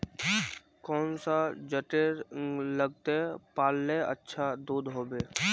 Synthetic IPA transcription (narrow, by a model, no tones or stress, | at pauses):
kɔːnsad͡ʒəʈeɾləɡ̚t̪epaːlːeə̰tːʃʰad̪uːd̪ɦoːbeː